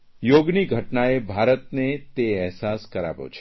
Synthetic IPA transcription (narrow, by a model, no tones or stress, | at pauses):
joɡniɡʱəʈnaebʱaɾət̪net̪eɛɦsaskəɾa̰ʋo̰t͡ʃʰ